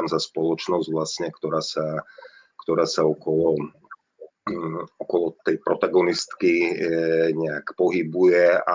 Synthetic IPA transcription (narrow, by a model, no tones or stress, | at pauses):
amzaspɔlɔt͡ʃnɔzɟʋlasɲɛkt̪ɔɾaːsa | kt̪ɔɾaːsaɔkɔlɔ | ɔkɔlɔt̪ɛjpɾɔt̪aɡɔnist̪ki | ɲɛakpɔɦibujɛa̰